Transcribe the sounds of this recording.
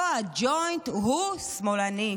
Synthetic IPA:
ad͡ʒɔj̃nt̪ɦusmolanĩ

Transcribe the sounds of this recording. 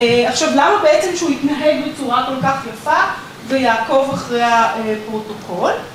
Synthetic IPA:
aχʃavlanabeʔet͡semʃeuit̪naɦeɡbet͡suʁako̞lkaχjafa | vejaːko̞vaχʁejaepʁo̞tokʰo̞l

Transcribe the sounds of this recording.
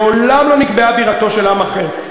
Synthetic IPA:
olamlo̞nikbeabiʁat̪o̞ʃe̞lamaχeʁ

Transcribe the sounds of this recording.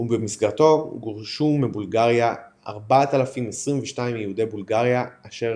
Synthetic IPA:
ubemisɡaʁt̪o̞ɡoʁʃumebulɡaʁjaʔa̰ʁbatalafimesʁimveʃtaimjehud̪ejbulɡaʁjaːʃe̞

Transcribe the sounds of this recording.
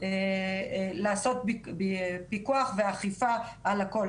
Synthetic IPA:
e | laːso̞t̪̚bbpikuaχveaχifaalako̞l

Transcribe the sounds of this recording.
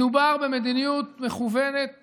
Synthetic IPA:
ubaʁbe̞med̪inijut̪me̞χuvenet̪̚

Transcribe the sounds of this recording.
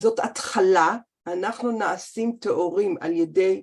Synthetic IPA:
zo̞tat̪χala | anaχnunaasimteʔoʁima̰ljede̞j

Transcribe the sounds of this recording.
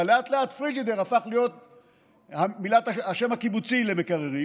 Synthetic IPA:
leat̪leat̪fʁid͡ʒid̪eʁafaχlijo̞t̪̚ | hamilat̪aaʃe̞mhakibut͡silemekaʁeʁi

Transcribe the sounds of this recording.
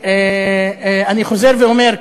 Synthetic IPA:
e | aniχo̞zeʁveomeʁ

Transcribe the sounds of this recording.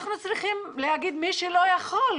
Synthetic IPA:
χnut͡sliχimleɦaɡid̪miʃelojaχol

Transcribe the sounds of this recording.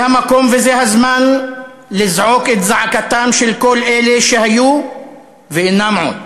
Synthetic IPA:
hamako̞mvezeɦazman | lizʕoket̪zaʕakat̪amʃelko̞lʔeleʃehaju | veinːamʕu

